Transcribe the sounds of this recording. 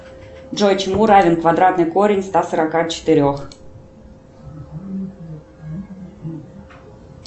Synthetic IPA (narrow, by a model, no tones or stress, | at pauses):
ʐojt͡ɕmuɾɑvʲenkvad̪ɾɑt̪nəkoɾʲenʲst̪ɑsəɾɑkɑt͡ɕə̥t̪ɨɾʲox